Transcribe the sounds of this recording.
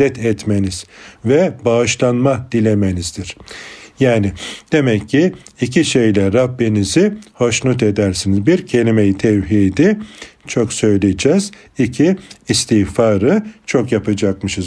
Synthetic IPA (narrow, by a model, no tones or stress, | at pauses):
ɛt̪ʰɛt̪meniz̥vɛbaɯʃlˠanmad̪̥ilʲemenizd̪iɾ̥jaːnɪd̪̥e̞mɛcʰːiːciʃejlʲɛɾabːinizɪho̞ʃnˠut̪̬ed̪æɾsinizbiɾcʰe̞lʲime̞jit̪ʰɛvɦid̪it͡ʃʰo̞ksø̞jlʲid͡ʒɛz̥ | icʰiːst̪ʰiːfaːɾɯt͡ʃʰo̞kjapɯd͡ʒakmɯʃɯz